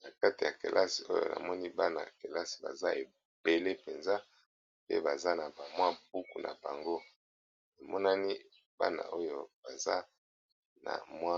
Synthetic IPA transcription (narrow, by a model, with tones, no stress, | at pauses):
na˨ka˦ti˨ja˨ke˨lʔa˦si˨o˦jo̰˦˨nʔa̰˨mɔ˦ni˦ba˦na̰˨ke˨la˦si̥˨ba̰˨za˦e˨ | b̥e˨le˦pe˨nza˦ | pḛ˦ba˨za˦na˨ba˨mwa˦b̥u˦ku˨nʔa˨ba˨ŋɡo˦ | na˨mɔ˦na˦ni˦ | ba̰˦na̰˨ʔo˦jo˦b̥a˨za˦ | na̰˨mwa˦